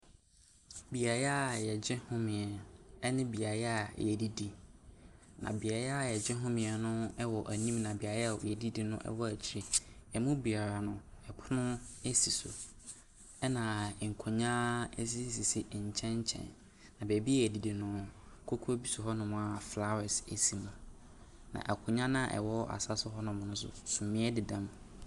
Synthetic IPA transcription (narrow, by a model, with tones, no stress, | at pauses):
bi˨a˨ja˦˨jɛ˨d͡ʑɛ̃˦hʊ̃˦mɪ̃˨ɛ˨ɛ˦nɪ̃˦bi˨a˨ja˦˨jɛ˨di˦di˦ | nʔã̰˨bi˨a˨ɾa˦˨jɛ˨d͡ʑɛ̃˦ɦʊ̃˦mɪ̃˨ɛ˨nʊ̃˦ɛ˦wɔ˨ʔæ˨nĩ˦mnã˨bi˨a˨ja˦˨wɔ̰˨jɛ˨di˦di˨nʊ̰̃˦ʔɛ̰˦wɔ˦æ˨t͡ɕʰɪ˨ɾi˦ɛ˨mũ˦bi˨a˨ɾa˨nʊ̃˦ɛ˨pʰʊ˦nʊ̃˦ɛ˦si˨sʊ̰˨ | ɛ˦nã˨ŋ̩˨kʰo˨ɲã˦s̬i˦s̬i˨sɪ˨ɲ̩˨t͡ɕʰɛ̃˦ɲ˦t͡ɕʰɛ̰̃˨nː | ã˨be˨bi˦ɛ˦˨di˨di˨nʊ̃˨kʰo˦kʰu˦o˦bi˦sʊ˨ɦɔ˦nʊ̃˨mʊ̃˨a˨fla˦ɾɛ˨se˨si˨mũ˨ | nã̰˨ʔæ˨kʰʊ̃˨ɲã˦nã˦˨ʔɛ̰˨wɔ˦ʔa̰˨sa˦sʊ˦ɦɔ˦nʊ̃˨mʊ̃˨nʊ̃˦sʊ̰˦sũ˨mmːɪ̃˦ɛ˦dɪ˨dã˦m